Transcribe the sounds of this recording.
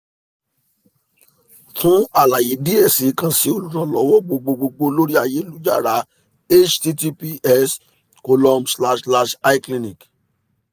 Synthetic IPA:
tũ˦a˦˨la˨je˨˦di˦e˦˨si˨˦kã˨si˧˦o˨lu˨ɾã˨lɔ˨˦wɔ˦ɡ͡bo˧ɡ͡bo˧ɡ͡bo˧ɡ͡bo˧lo˦ɾi˦a˦˨je˨˦lu˦d͡ʒa̰˦˨ɾa˨˦ | e˦t͡ʃti˦ti˦pi˦ɛ˦s | ko˧lɔ˧msla˧ʃla˧ʃa˦i˦klĩ˧nĩ˨k

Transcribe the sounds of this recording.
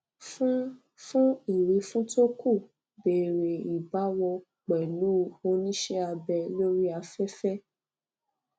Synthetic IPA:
fũ˦ | fũ˦e˨ɾe˨˦fũ˦to˦ku˦˨ | be˨ɾe˨i˨ba˨˦wɔ˧ | k͡pɛ˨lu˦o˧nĩ˦ʃɛ˦a˧bɛ˧lo˦ɾi˦a˧fɛ˦fɛ˦

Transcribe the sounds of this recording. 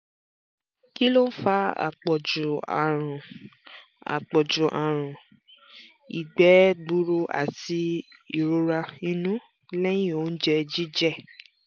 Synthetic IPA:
ki˦lo˦n̩˦fa˦a̰˨k͡pɔ˨d͡ʒu˨a˨ɾ̃ã˨ | a̰˨k͡pɔ˨d͡ʒu˨ʔa˨ɾ̃ã˨ | ḭ˨ɡ͡bɛ˨˦ɡ͡bu˦ɾo˧ʔa̰˨ti˧i˦˨ɾo˨˧ɾa˧ĩ˧nũ˦ | lɛ̃˦ĩ˦o˨˦n̩˦d͡ʒɛ˧d͡ʒi˦d͡ʒɛ˦˨

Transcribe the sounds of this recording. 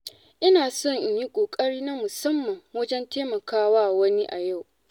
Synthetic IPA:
ʔɪ˦naː˨sɔ˦˨ɲʔji˦kʷʼoː˨kʼɐ˦ɽiː˦na˦mʊ˨sɐ˦mːɐ˨ŋwɐ˦d͡ʒɛ˦nteː˦mɐ˨kaː˦waː˦˨wɐ˦ni˦ʔa˨ja˦˨w

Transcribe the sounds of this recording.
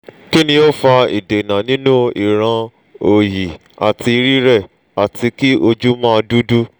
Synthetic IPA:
ki˦nĩ˧o˦fa˧ḭ˨de˨nã˨nĩ˦nũ˦i˨ɾ̃ã˧ | o˨ji˨ | a˨ti˧i˧ɾi˦ɾɛ˦˨ | a˨tʰi˧ki˦ʔo˧d͡ʒu˦mãː˦˧du˦du˦

